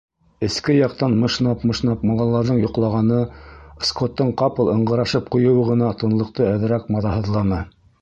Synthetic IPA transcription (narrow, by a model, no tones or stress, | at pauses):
ɘ̆skɘjɑq̚t̪ɑnmɤ̆ʃnɑpmɤ̆ʃnɑpmɑlˠɑlˠɑɾðɤɴjŏqlˠɑʁɑnɤskot̪ːɤɴqɑpɤ̆lˠɤ̆ɴɢɤ̆ɾɑʃɤp̚qŭjɤ̆wɤʁɤ̆nɑt̪ɤ̆nlˠɤ̆q̚t̪ɤæðɘ̆ɾækmɑðɑɦɤ̆ðlˠɑnɤ